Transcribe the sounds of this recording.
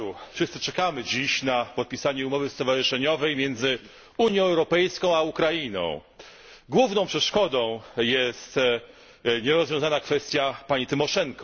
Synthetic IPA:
ufʂɘst̪sɘt͡ʂɛkamɘd͡ʑiɕnapɔt̪̚pʲisaɲɛumɔvɘst̪ɔvaʐɘʂɛɲɔvɛjmʲjɛnd̪zɘ | uɲjɔ̃w̃ɛwɾɔpɛjskɔ̃w̃aukɾainɔ̰̃w̃ | ɡwuvnɔ̃w̃pʂɛʂkɔd̪ɔ̃w̃jɛst̪ | ɲɛɾɔzvʲjɔ̃w̃zanakfɛst̪ʲjapaɲit̪ɘmɔʂɛŋkɔ

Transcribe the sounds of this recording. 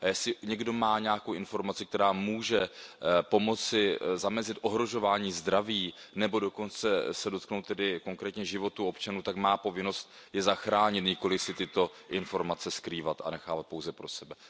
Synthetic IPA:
jɛsɪɲɛɡdo̞maːɲaːkowʔɪnfo̞ɾmat͡sɪk̚t̪ɛɾaːmuːʒɛpo̞mo̞t͡sɪzamɛzɪt̪ʔo̞ɦɾo̞ʒo̞vaːɲiːzd̪ɾaviːnɛbo̞do̞ko̞nt͡sɛsɛdo̞t̪knowt̪ːɛdɪko̞ŋkɾɛːt̪ɲɛʒɪvo̞t̪uo̞pt͡ʃanuːt̪akmaːpo̞vɪno̞st̪ | jɛzaxɾaːɲɪt̪ɲɪko̞lɪsɪt̪ɪt̪o̞ | ʔɪnfo̞ɾmat͡sɛskɾiːvat̪a̰nɛxaːvat̪̚powzɛpɾo̞sɛbɛ

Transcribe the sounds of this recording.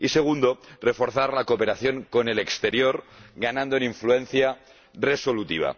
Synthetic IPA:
ise̞ɣ̞und̪o̞re̞fo̞ɾθaɾlakope̞ɾaθjo̞ŋko̞ne̞le̞kst̪e̞ɾjo̞ɾɡanãnd̪oniɱflue̞n̟θja | re̞so̞lut̪iβ̞a̰

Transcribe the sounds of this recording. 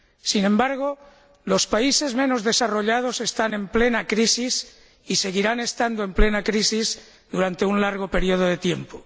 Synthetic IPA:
sinẽ̞mbaɾɣ̞o | lo̞spaise̞zmẽ̞nozðe̞saro̞ʎað̞o̞se̞st̪ane̞mplenakɾisis | ise̞ɣiɾane̞st̪and̪oe̞mplenakɾisiz | ðuɾant̪e̞unlaɾɣ̞ope̞ɾioð̞oð̞e̞t̪je̞mpo

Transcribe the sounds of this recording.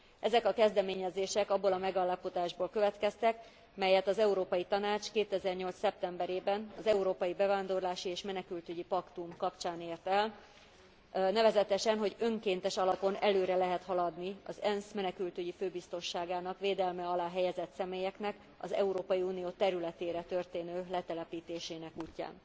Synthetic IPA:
ɛzɛkɒkɛzd̪ɛmeːɲɛzeːʃɛkɒbːolɒmɛɡalːapod̪aːʒboːlkø̞vɛt̪kɛst̪ɛk | mɛjɛt̪ɒzɛuɾoːpɒjit̪ɒnaːt͡ʃkeːt̪ɛzɛrɲo̞lsːɛp̚t̪ɛmbɛɾeːbɛnɒzɛuɾoːpɒjibɛvaːnd̪o̞rlaːʃieːʃmɛnɛkylt̪yɟipɒkt̪umkɒpt͡ʃaːneːrt̪ɛl | nɛvɛzɛt̪ɛʃɛnɦo̞ɟø̞ŋkeːnt̪ɛʃɒlɒpo̞nɛløːɾɛlɛɦɛt̪hɒlɒd̪niɒzɛnsmɛnɛkylt̪yɟiføːbist̪o̞nʃaːɡaːnɒkʋeːd̪ɛlmɛɒlaːɦɛjɛzɛt̪sɛmeːjɛknɛk | ɒ̰zɛ̰uɾoːpɒjiuːnijoːt̪ɛɾylɛt̪eːɾɛt̪ørt̪eːnøːlɛt̪ɛlɛpiːt̪eːʃeːnɛkuːcːa̰ːn

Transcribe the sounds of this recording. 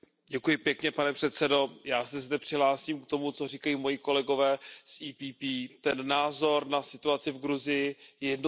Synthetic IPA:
ɟɛkujɪpjɛkɲɛpanɛpr̝̥ɛt̪sɛdo̞jaːsɛzdɛpr̥ɪɦlaːsiːmkt̪o̞mut͡so̞r̝iːkajiːmo̞jiko̞lɛɡo̞vɛːsʔiːpiːpiːt̪ɛnːaːzo̞ɾnasɪt̪uat͡sɪvɡɾuzɪjɪjɛjɛdno

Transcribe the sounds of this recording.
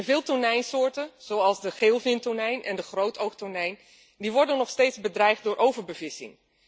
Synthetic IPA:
nvɪːlˠtʊɹnɛjnsʊːɹtənz̥owɑlˠzdəχeːlˠvɪntoɹnɛjnʔɛ̰ndəχrowtʰowktʊnɛjn | diʋɔɹdənːɔχsteːtzbədrɛjχ̚dʊːɹʔowvəɹbəvɪsɪ̰ŋ

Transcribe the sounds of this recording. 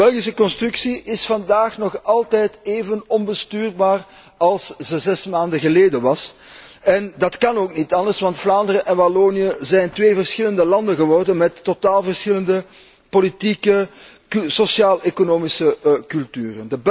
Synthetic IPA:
bɛlˠɣisəkɔnstrʉksiʔɪsfɑndaːxnɔxɑlˠtɛjteːvənɔnbəstyːrbaːr | ɑlˠszəzɛsmaːndəɣəleːdənʋɑs | ɛndɑtkɑnoːknitɑndərsʋɑntflaːndərəʔɛnbaloːniəzɛjntʋeːvərsxɪləndəlɑndənɣəʋɔrdənmɛtːotaːlˠvərsxɪləndə | politikəksosjaːlʔekonoːmisəkɵlˠtyːrəndəb

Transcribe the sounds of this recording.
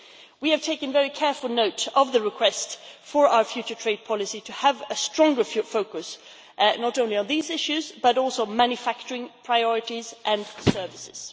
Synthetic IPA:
wiɨv̥tʰeɪkɨ̃nvɛɹikʰɛɹfəl̩ˠnoʊɾʌvðɨɹɨkʰw̥ɛstfə˞ʔaʊə˞fjʉt͡ʃə˞tʰɹ̥eɪd̚pʰɑlˠɨsitʰɨəvɨstɹ̥ɔ̃ŋɡə˞ffoʊkɨs | nəɾõʊ̃nliə̃nðizɪʃʉzb̥ʌɾɔˑlˠsoʊmæ̃njɨfæk̚t͡ʃə˞ɪ̃ŋpʰɹ̥aɪɔɹɨɾizʔɨ̃nsɜ˞vɨsɪz̥

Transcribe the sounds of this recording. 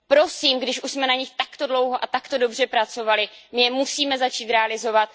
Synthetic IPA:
pɾo̞siːmɡdɪʃʔuʃsmɛnaɲɪxt̪akt̪o̞dlo̞wɦoʔat̪akt̪o̞do̞br̝ɛpɾat͡so̞valɪmɪjɛmusiːmɛzat͡ʃiːt̪ɾɛalɪzo̞vat̪̚

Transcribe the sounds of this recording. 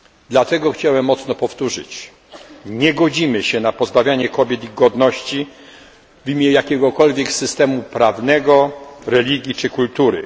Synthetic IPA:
d̪lat̪ɛɡɔxt͡ɕawɛmːɔt̪snɔpɔft̪uʐɘ̰t͡ɕ | ɲɛɡɔd͡ʑimɘɕɛnapɔzbavʲjaɲɛkɔbʲjɛt̪iɡɔd̪nɔɕt͡ɕi | vimʲɛjakʲɛɡɔkɔlvʲjɛksɘst̪ɛmupɾavnɛɡɔɾɛlʲiɡʲjit͡ʂɘkult̪uɾɘ̰

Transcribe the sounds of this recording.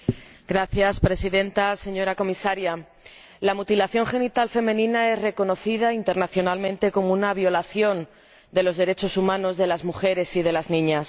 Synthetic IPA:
ɡɾaθjaspɾe̞siðẽ̞nt̪ase̞ɲo̞ɾako̞misaɾja | lamut̪ilaθjo̞ŋxe̞nit̪alfe̞mẽ̞nĩnae̞zre̞ko̞no̞θið̞aint̪e̞ɾnaθjo̞nalmẽnt̪e̞ko̞mounaβjo̞laθjo̞n | d̪e̞lo̞zðe̞ɾet͡ʃo̞sumãno̞zðe̞lazmuxe̞ɾe̞sið̞e̞laznĩɲas

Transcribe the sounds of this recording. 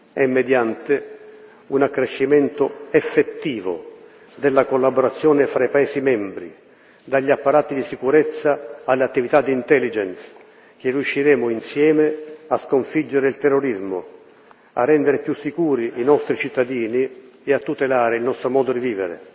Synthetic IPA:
ɛmːed̪jant̪ɪ | unakːɾeʃːimɛnt̪oɛfːet̪ːiːvo̰ | d̪elːakolːaboɾat̪sːjɔːnɪfɾaipaɛːsimɛmbɾḭ | d̪aʎːiapːaɾaːt̪id̪isikuɾɛt̪sːaalːeat̪ːivit̪ad̪ːiːnt̪ɛlːid͡ʒɛns | k̟ɪrːiuʃːiɾɛːmʊinsjɛːmeaskoɱfid͡ʒːeɾɪilt̪ɛrːoɾizmo̰ | a̰rːɛnd̪eɾɪpjusːikuːɾiinɔst̪ɾit͡ʃit̪ːad̪iːni | eat̪ːut̪elaːɾɪilnɔst̪ɾomɔːd̪od̪iviːvɪ̰ɾḛ

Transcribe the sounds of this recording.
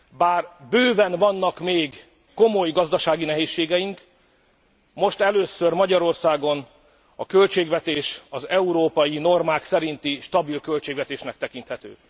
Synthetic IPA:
baːrbøːvɛnvɒnːɒkmeːɡ | ko̞mo̞jɡɒzd̪ɒʃaːɡinɛɦeːʃːeːɡɛjiŋk | mo̞ʃt̪ɛløːsørmɒɟɒɾo̞rsaːɡo̞n | ɒkølt͡ʃeːɡvɛt̪eːʃɒzɛuɾoːpɒjino̞rmaːksɛɾint̪iʃt̪ɒbilkø̞lt͡ʃeːɡvʋɛt̪eːʃnɛk̚t̪ɛkint̪hɛt̪ø̰ː

